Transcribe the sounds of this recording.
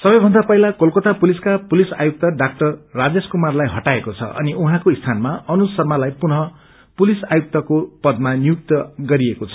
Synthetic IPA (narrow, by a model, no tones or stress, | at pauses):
sʌbʌjbʱʌnd̪apʌɦilakolkot̪apuliskapulisa̰juk̚t̪ʌɖak̚ʈʌrːad͡zeskumarlajɦʌʈaekot͡sʰʌ̰ʔʌ̰niʔuɦãkoist̪ʰanmaʌnusʌrmalajpunʌ | pulisajuk̚t̪ʌkopʌd̪manijuk̚t̪ʌɡʌɾiekot͡sʰʌ̥